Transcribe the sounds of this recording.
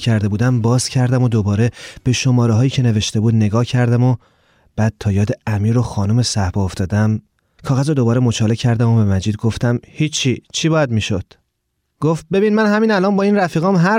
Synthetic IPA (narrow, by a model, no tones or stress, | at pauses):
cʰæɾd̪e̞buːd̪æmbɒːz̥cʰæɾd̪æmod̪obɒːɾe̞b̥e̞ʃo̞mɒːɾeɦɒːjiːcʰe̞ne̞ve̞ʃt̪e̞buːd̪ne̞ɡɒːhcʰæɾd̪æmo | b̥æːd̪̥̚t̪ʰɒːjɒːd̪e̞æmiːɾoxɒːnome̞sæhbɒoft̪ɒːd̪æm | kʰɒːɣæzod̪o̞bɒːɾemot͡ʃʰɒːlecʰæɾd̪æmobe̞mæd͡ʒiːd̪̚ɡo̞ft̪æmhiːit͡ʃʰiːbɒːjæd̪miːʃod̪̥ | ɡ̥oft̪̚be̞binmænɦæmiːnælɒːnbɒːinɾæfiːɣɒːmɦæ